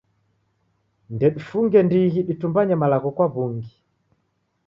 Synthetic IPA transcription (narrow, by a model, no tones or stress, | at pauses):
ndɛɗufuŋɡɛndiɣiɗitumbaɲɛmalaɣɔkwaβuŋɡi